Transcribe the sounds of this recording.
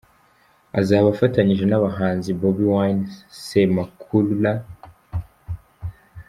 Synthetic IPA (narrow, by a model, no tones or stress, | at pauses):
azaːβafataɲiʒe̞naβaɦaːnzibobiwajnsemakʰulla